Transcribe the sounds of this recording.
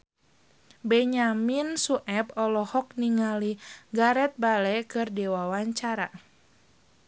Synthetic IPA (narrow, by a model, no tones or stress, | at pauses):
bɛɲaminsuʔɛbɔlɔhɔk̚niŋaliɡaɾɛt̪̚balɛkɨrdɛwawaɲt͡ʃaɾa